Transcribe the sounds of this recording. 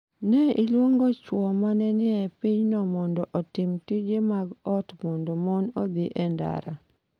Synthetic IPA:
nɛʔilwoŋɡɔt͡ʃwɔmanɛnɪɛpiɲnɔmɔndɔʔɔtɪmtid͡ʒemaɡɔtmɔndɔmɔnɔd̪iʔɛnda̰ɾa̰

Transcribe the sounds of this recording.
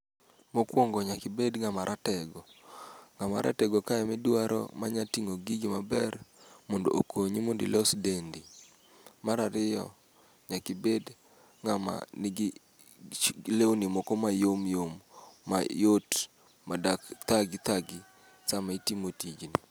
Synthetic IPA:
mokwoŋɡɔɲakɪbedŋamaɾʔatɛɡɔŋama̰ɾʔa̰tɛɡokaɛmɛdwaɾʔɔ̰maɲatiŋoɡiɡɪmabɛrmɔndo̰ʔokoɲimondḭlesdendi | maɾaɾɪjɔ̰ | ɲakɪbed | ŋama̰nɪɡɪ | lewnɪmɔkɔmajomjomːa̰jot | madakt̪aɡit̪aɡi | samaitimotid͡ʒni

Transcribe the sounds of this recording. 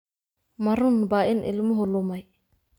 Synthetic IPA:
maɾʊnbaɪnʔɪ̰lmʊɦʊlʊmaj

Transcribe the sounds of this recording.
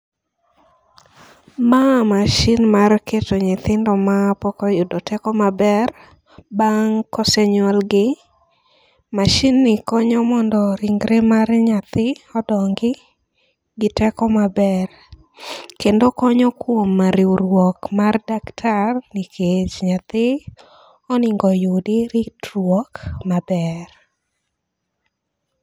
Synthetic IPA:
mamaʃinmarkʰetoɲɪt̪ɪndɔmapɔkɔjʊdɔtɛkɔmabɛr | baŋkɔsɛɲalɡɪ | maʃinːɪkɔɲɔmɔndɔɾiŋɡɾemarɲat̪ɪɔdɔŋɡɪ | ɡɪtɛkɔmabɛr | kendokɔɲɔkwomːaɾiuɾwɔkmardaktʰarnɪkʰet͡ʃɲat̪ɪ | ɔnɪŋɡɔjodɪɾitrwɔkmabɛr

